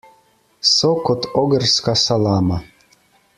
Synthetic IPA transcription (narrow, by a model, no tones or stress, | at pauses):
sɔkɔt̪ʰɔɡərskasalˠaːma